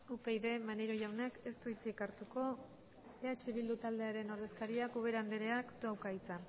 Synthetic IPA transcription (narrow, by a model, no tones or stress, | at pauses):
upe̞jðe̞maneɾo̞ʝawnake̞st̪uit͡sikaɾt̪uko̞ | eat͡ʃeβild̪ut̪ald̪e̞aɾe̞no̞ɾðe̞skaɾiakuβ̞e̞ɾand̪eɾe̞akd̪awkajt͡sa